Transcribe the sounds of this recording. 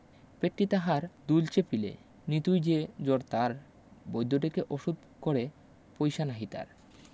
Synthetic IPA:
peʈːit̪aɦaɾd̪ult͡ɕepilḛ | nit̪ujd͡ʑed͡ʑoɾt̪aɾ | bojd̪ʱːoʈekeʔoʃud̪̚ | koɾe | pojʃanaɦit̪a̰ɾ

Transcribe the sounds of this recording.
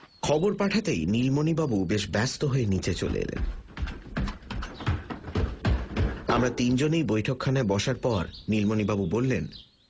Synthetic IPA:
kʰɔboɾpaʈʰat̪ejnilmonibabubeʃbɛst̪oɦoenit͡ɕet͡ɕo̰lḛḛlḛn | amɾat̪ind͡ʑonejbojʈʰokʰːanaebɔʃaɾpɔɾnilmonibabubolːen

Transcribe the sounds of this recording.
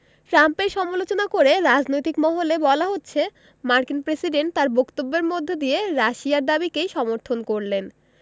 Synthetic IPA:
ʈɾampeɾʃɔmolot͡ɕonakoɾeɾad͡ʑnojt̪ikmɔɦolebɔlaɦotːɕʰe | maɾkinpɾesiɖeɳʈ̚t̪aɾbokt̪obːeɾmod̪ʱːed̪ieɾaʃiaɾd̪abikejʃɔmoɾt̪ʰonkoɾlen

